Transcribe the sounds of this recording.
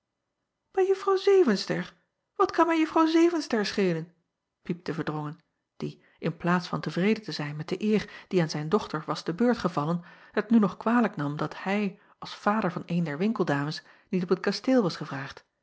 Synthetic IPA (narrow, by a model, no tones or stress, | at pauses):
b̥ɛjəfrɑwzejvənstəɹ | ʋɑtkɑnmɛjəfrɑwzejvənstəɹsχejlən | pip̚təvəɹdʁɔŋən | d̥i | ʔɪnplaːtsfɑntəvrejdətəzɛjnmɛt̚d̥əʔɪːɹd̥iaːnzɛjndɔχtəɹʋɑzdəbøːɹtχəvɑlən | hətnynɔχkʋaːləknɑmdɑthɛj | ʔɑlˠsfaːdəɹvɑnejndɛɹʋɪŋkəlˠdaːməs | nitɔpət̚kasteːlˠʋɑsχəvraːχt